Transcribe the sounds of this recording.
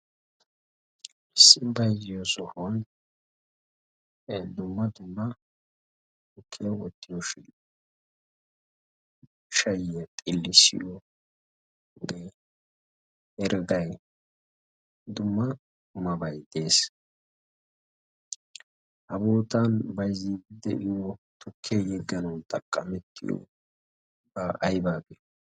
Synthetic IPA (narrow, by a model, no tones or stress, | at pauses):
ɪsːɪbɐjzɪjɔsɔhɔn | d̪ʊmːɐd̪ʊmːɐ | ʊkʰːɪjɔwɔt̪ːɪjɔʃɪn | ʃɐjɛt̪ʼɪlːɪsɪ̰jɔ | ɡ̪ɛ | ɛɾɡɐj | d̪ʊmːɐ | kʊmɐbɐjd̪e̞ːs | hɐboːt̪ɐnbɐjzid̪ɛ̰ʔɪjɔt̪ʰʊkʰːejɛɡːɐnɐwt̪ʼɐkʼːɐmɛt̪ʰːɪ̰jɔ̰ | bɐʔɐjbaːbɪ